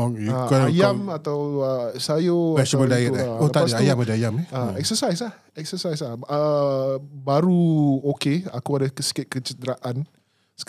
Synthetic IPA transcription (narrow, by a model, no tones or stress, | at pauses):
ɔŋjuakajamat̪awəsajoaɛsəmədajɛʔaolət̪aadajamadaajameaɛk̚səsajs̬lah | ɛk̚səsajslahə | baɾuokea̰kuadakəsə̥kɪt̪̚kət͡ʃəd̪ɾaʔan | s